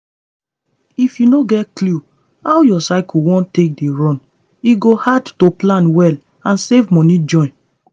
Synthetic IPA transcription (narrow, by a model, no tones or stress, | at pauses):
ifjunoɡɛtklu | awjɔsaɪkuwɔ̃ntek̚deɹɔ̃n | iɡohadtoplãnwɛl | ãnsevmɔ̃nĩd͡ʒɔ̃ɪ̃n